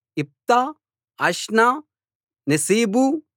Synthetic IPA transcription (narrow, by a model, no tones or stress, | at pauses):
ip̚t̪a | ɐʃna | nɐsiːbu